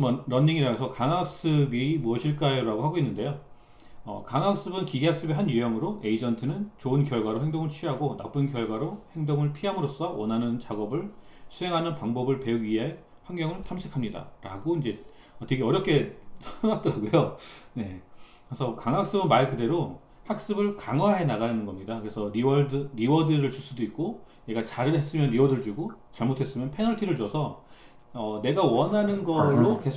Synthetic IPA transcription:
mʌɾʌnːiŋiɾaɡesʰʌkaŋak̚s͈ɯbimuʌɕʰiɭk͈ajiɾaɡoɦaɡoinːɯnde̞jo | ʌ̰kaŋak̚s͈ɯbɯnkiɡeak̚s͈ɯbiɦanjujʌŋɯɾoe̞id͡ʑʌntʰɯnɯnt͡ɕoɯnkjʌɭɡwaɾoɦeŋdoŋɯɭt͡ɕʰɥiɦaɡona̰p͈ɯnkjʌɭɡwaɾohe̞ŋdoŋɯɭpʰiɦamɯɾos͈ʌwʌnɦanɯnt͡ɕaɡʌbɯɭ | t͡ɕʰue̞ŋɦanɯnpaŋbʌbɯɭpe̞uɡieaɭ | ɸwaŋɡjʌŋɯɭtʰamɕʰikʰamɲida̰ɾa̰ɡoind͡ʑe̞ | ʌteɡeʌɾjʌp̚k͈ʰe̞sʰaŋat͈ʌɾaɡojone̞ | kɾesʰʌkaŋak̚s͈ɯbɯnmaɭekɯde̞ɾo | hak̚s͈ɯbɯɭkaŋwaɦe̞naɣanɯnɡʌmɲidakɯɾe̞sʰʌɾiʌdɯɾiwʌdɯɾɯɭt͡ɕus͈udoik̚k͈o | ne̞ɡat͡ɕaɾɯɭɦe̞s͈ɯmjʌnɾiwʌdɯɭd͡ʑuɡot͡ɕaɭmotʰe̞s͈ɯmjʌnpʰe̞nʌɭtʰiɾɯɭd͡ʑʌsʰʌ | ʌne̞ɡawʌnɦanɯnɡʌɭːoke̞

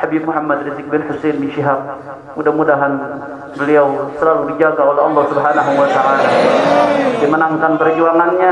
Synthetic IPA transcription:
habip̚muħamːad̪ɾizɪk̚bɪnħusenbiʃiɦab̚ | mudahmudaɦan | bəliawsəlaludid͡ʒakaolɛɑlːɔhsubɦanaɦuwat̪aʔala | dimənaŋkanpərd͡ʒuaŋanɲa

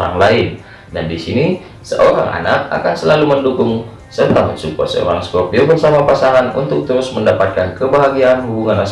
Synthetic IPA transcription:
ɾa̰ŋlaɪn | dandisini | sə̰ʔoɾa̰ŋʔa̰nak̚a̰kansəlaluməndukʊŋ | sərt̪aməsuka̰sə̰o̰ɾaŋsə̥kopiobərsamapasaŋanṵnt̪ʊk̚t̪əɾʊsməndapat̪̚kankəbaɦaɡianhubuŋanas

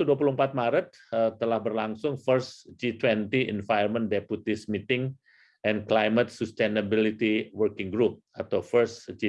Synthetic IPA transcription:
uduap̬uluəmpat̪̚maɾət̪̚ | ət̪ːəlahbərlaŋsʊŋfərsd͡ʒit̪wɛnt̪iɛ̰nfajərməndɛput̪ɪsmit̪ɪŋ | ʔɛnklajmət̪̚sust̪enəbilit̪iwərkɪŋɡɾup̚at̪awfərsd͡ʒi

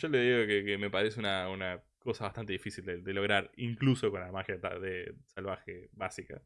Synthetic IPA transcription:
ʒ̥o̞leðiɣokekeme̞paɾes̬eunauna | ko̞saβaht̪ant̪e̞ðifisild̪ed̪elo̞ɣ̞ɾaɾiŋkluso̞konamaxjat̪a̰ðesalβaxeβasika̰

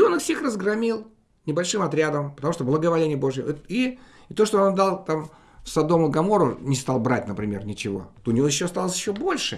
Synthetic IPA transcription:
o̞nɨfsʲexrəzɡrɐmʲilˠ | nʲɪbɐlʲʂɨmɐt̪ɾʲad̪əmpə̥t̪ɐmuʂt̪oblˠəɡəvɐlʲenʲɪjəbo̞ʐjəi | t̪o̞ʂt̪oond̪ɑlˠt̪am | fsɐd̪o̞mʊɡɐmo̞ɾʊnʲɪst̪alˠbɾat̚ʲnəpɾʲɪmʲe̞rnʲɪt͡ɕɪvo̞̰t̪oʊnʲɪvojɪɕːoɐst̪alˠəsʲjɪɕːo̞bo̞lʲʂɨ

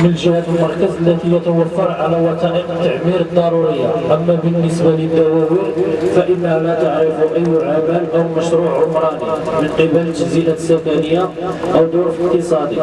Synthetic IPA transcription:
mənlʒəhæt̪əlmɑɾˤkæzəlːæt̪ijət̪əwæfːɑɾˤʕalæwɑt̪ˤɑʔəqt̪ːaʕmiɾəd̪ˤːɑɾˤuɾəjːaʔəmːæbənːəsbaləd̪ːæwæwiɾfæʔəlːælæt̪aʕɾəfuʔəjːʕamælʔəwməʃɾuʕəlmɾˤɑt̪ˤimənqəbəld͡ʒəziʔasːækænəjːa | ʔəwd̪ʊɾfəqt̪əsˤɑd̪i

